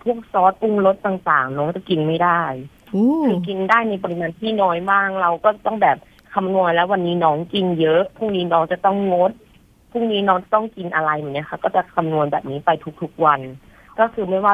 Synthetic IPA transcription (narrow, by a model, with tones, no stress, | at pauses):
pʰu˥˩ək̚sɔː˦˥t̪̚pu˥˩ŋlo˦˥t̪̚ːaː˨˩ŋt̪aː˨˩ŋnɔː˦˥ŋt͡ɕa˨˩ki˧nma˥˩jdaː˥˩jː | kʰɯː˧ki˧ndaː˥˩jna˧jp̬ɔ˧ɾi˧maː˧nt̪ʰiː˥˩nɔː˦˥jbaː˥˩ŋɾa˧wkɔː˥˩t͡ɕa˨˩t̪ɔ˥˩ŋbɛː˨˩p̚ | kʰa˧mnu˧ənlɛː˦˥wa˧nːiː˦˥nɔː˦˥ŋki˧njɤ˦˥ʔpʰu˥˩k̚niː˦˥nɔː˦˥ŋt͡ɕa˨˩t̪ɔ˥˩ŋlo˦˥t̪̚ | pʰuː˥˩k̚niː˦˥nɔː˦˥ŋt͡ɕa˨˩t̪ɔ˥˩ŋki˧nʔa˧ɾa˧jmuː˨˩na˦˥˩xa˧˥kɔː˥˩t͡ɕa˨˩kʰa˧mnu˧ənbɛː˨˩p̚niː˦˥pa˧jt̪ʰu˦˥k̚t̪ʰu˦˥k̚wa˧n | kɔː˥˩kʰɯː˧˩ma˥˩waː˥˩